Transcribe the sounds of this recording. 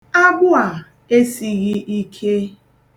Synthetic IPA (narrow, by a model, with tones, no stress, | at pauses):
a˦ɡ͡bʊ˦a˨ | e˦si˦ɣɪ˦ʔi˦kʰe˦